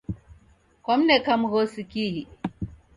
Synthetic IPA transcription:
kam̩nɛkamuɣosikiɦi

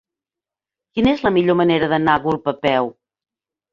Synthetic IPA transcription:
kinəezləmiʎoməneɾəðənaɣulˠpəpɛw

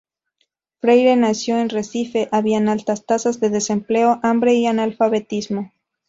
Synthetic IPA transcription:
fɾejɾe̞nasjo̞e̞nre̞sife̞ʔaβiaenalt̪ast̪asazðe̞ðe̞se̞mple̞o̞ʔambɾe̞ianalfaβe̞t̪izmo̞

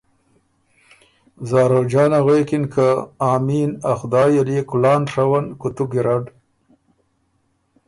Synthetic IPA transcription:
zɑːɾod͡ʒɑːnaɣwekɪnkʰaɑːminaxd̪ɑːjalekʊlɑːnʂawankʊt̪uɡɪɾaɖ

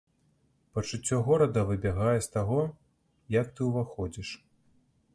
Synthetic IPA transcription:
pɐt͡ʂɨt͡sʲːɔɣɔɾɐd̪ɐvɨbʲɛɣajɛst̪aɣɔ | jɐk̚t̪ɨwvaxɔd͡zʲiʂ

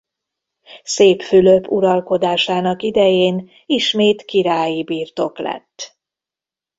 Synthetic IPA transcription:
seːpfyløpuɾɒlko̞d̪aːʃaːnɒkid̪ɛjeːn | iʃmeːt̪kiɾaːjibiːrt̪o̞klɛ̰t̪ː

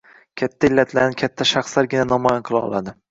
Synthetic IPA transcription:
kʲʰat̪ʰːaɪlːat̪ʰlaɾnɪkʲʰat̪ʰːaʃɑχslaɾɡʲɪnanɒmɒjanqʰɨlˠaɒ̰lˠa̰d̪ɪ

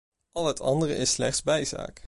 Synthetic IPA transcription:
ʔɑlˠɦətʰɑ̰ndərə̰ʔɪslɛχtszbɛjza̰ːk

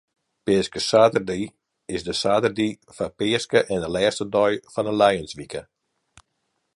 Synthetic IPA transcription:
pɪəskəsaːtərdi | ɪsdəsaːtərdi | fapɪəskəʔɛndəlɛːstədɔjfɔnənlɛjənsʋikə

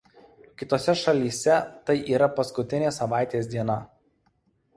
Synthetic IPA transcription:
kʲɪt̪oːsʲɛʃɐlʲiːsʲɛt̪ɐɪʔiːɾɐpɐskʊt̪ʲɪnʲeːsɐʋɑˑɪt̪ʲeːsʲd̪ʲiɛnɐ

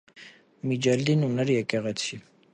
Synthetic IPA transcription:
mid͡ʒɛld̪inunɛɾjɛkɛʁɛt͡sʰi

